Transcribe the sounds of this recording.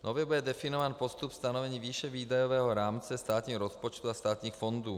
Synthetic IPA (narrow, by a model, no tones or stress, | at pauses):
nɔʋjɛbuɟɛd̪ɛfinɔʋaːnpɔst̪upfst̪anɔʋɛɲiːʋiːʃɛʋiːd̪ajɔʋɛːɦɔɾaːmt͡sɛst̪aːt̪ɲiːɣɾɔspɔt͡ʃt̪uːast̪aːt̪ɲiːxfɔnd̪uː